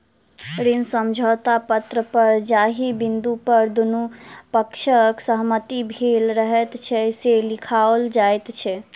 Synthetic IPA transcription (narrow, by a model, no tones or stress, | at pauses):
ɾinsəmd͡ʒʱot̪apət̪ɾəpəɾd͡ʒaɦibind̪upəɾd̪unupəkʃʰəksəɦmət̪ibʱelɾəɦɛt̪t͡ʃʰɛselikʰaold͡ʒajt̪t͡ʃʰɛ